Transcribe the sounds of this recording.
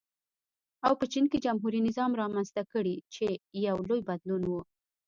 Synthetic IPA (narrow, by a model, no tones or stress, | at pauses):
awpət͡ʃinked͡ʒamɦuɾinɪzɑmɾɑmanzt̪akəɽit͡ʃejawlojbad̪lunwu